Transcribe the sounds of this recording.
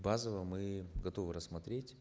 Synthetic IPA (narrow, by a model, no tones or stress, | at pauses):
bazəvəmɨɡɐt̪o̞vɨɾəsmɐt̪ɾʲetʲ